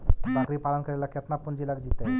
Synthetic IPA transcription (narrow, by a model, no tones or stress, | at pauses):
bakɾiːpalənkəɾelakʰət̪napːuɳd͡ʑilaɡd͡ʑit̪a